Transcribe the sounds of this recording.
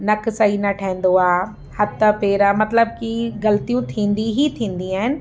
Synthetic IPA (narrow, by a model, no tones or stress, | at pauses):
nɐkʰsainɐʈʰaɦɪ̃n̆d̪oaː | hɐt̪apeːɾamɐt̪ləb̚kiɣɐlt̪ijũt̪ʰĩːn̆d̪iɦit̪ʰĩːnd̪iaːɦɪnɪ̆